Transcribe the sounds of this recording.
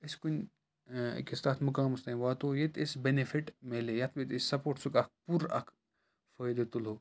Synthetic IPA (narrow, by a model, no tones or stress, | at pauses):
iskun̰ʲ | kest̪aːt̪ʰmukaːmust̪ãʋaːt̪oːjet̪isbenefʰiʈmeːlejɐt̪ʰʋet̪issɐpoːʈsukɐk̚puɾɐ̰kʰ | fəjd̪et̪ulɦoː